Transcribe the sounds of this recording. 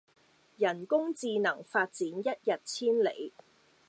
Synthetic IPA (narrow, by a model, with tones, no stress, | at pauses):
jɐ˨˩nkʊ˥ŋt͡siː˧nɐ˨˩ŋfaː˧t̚t͡siː˨˥njɐ˥t̚jɐ˨t̚t͡sʰiː˥nlḛ˨j